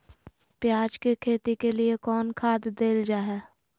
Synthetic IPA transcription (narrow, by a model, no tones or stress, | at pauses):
pjaːd͡ʒkekʰeːt̪ikeliekɔːnkʰaːd̪d̪eːld͡ʒaːɦɛː